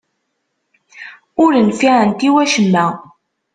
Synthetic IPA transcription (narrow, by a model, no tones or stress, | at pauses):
ʊɾənfiʕənt̪iwæʃəmːæ